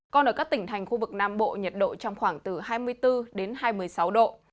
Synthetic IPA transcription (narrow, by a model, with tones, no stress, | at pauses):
kɔ˨˧˩nʔəː˧˩kaː˦˥k̚t̪ï˧˩ŋ̟t̪ʰa˨˩jŋ̟xu˧vɨ˨˩k̚naː˧mɓo̰˧˨ɲə˨˩t̚ɗo̰˧˨t͡ɕɔ˧wŋ͡mxwaː˧˩ŋt̪ɨ˨˩haː˧jmɨ˧əjt̪ɨ˧ɗe˨˦nhaː˧jmɨ˧˩əjsa˨˦wɗo̰˧˨